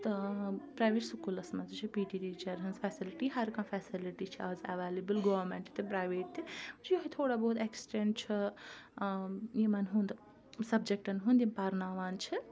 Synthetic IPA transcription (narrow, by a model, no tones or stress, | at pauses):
t̪ɐpɾaːjʋeʈsukulɐsmad͡zut͡ʃʰipiʈiɾit͡ʃɐɾɦɐnzpʰɛsiliʈiɦɐɾkãːpʰɛsiliʈit͡ʃʰiazɐʋalebɨlɡɔːʋɐɾmẽɳʈ̪t̪ʰipɾaːjʋeːʈ̚t̪ʰit͡ʃʰjuɦɐt̪ʰoːɽaboɦud̪eksi̥ʈeɳʈ̚t͡ʃʰɐ | jimanɦũnd̪ | sɐbd͡ʒek̚ʈɐnɦũnd̪inpaɾnaːʋaːnt͡ʃʰi